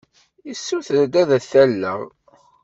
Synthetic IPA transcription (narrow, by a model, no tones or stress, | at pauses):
isːuθðæd̪æðæθælːə̰ʁ